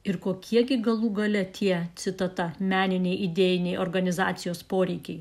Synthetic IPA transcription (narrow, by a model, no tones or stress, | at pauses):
ɪɾkoːkʲiɛɡʲɪɡɐlˠuːɡɐlʲɛt̪ʰʲiɛt̪sʲɪt̪ɐt̪ɐmʲæːnʲɪnʲɛɪʔid̪ʲeːjɪnʲɛɪoɾɡɐnʲɪzɑ̰ːt̪sʲɪjoːspoːɾʲɛɪkʲɛɪ